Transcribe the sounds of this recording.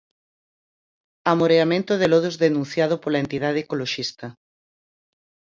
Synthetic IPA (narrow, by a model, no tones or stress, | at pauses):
amoɾeamẽnt̪oðeloð̞ozðenũnθjað̞opolaent̪iðaðekoloʃist̪ɐ